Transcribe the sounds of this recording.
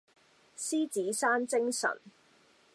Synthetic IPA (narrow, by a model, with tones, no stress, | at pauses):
siː˥t͡siː˨˥saː˥nt͡sɪ˥ŋsɐ̰˨˩n